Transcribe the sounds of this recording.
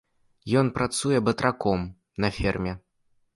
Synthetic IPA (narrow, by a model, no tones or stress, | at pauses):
jɔnpɾat̪sujɛbɐt̪ɾakɔm | nɐfʲɛrmʲɛ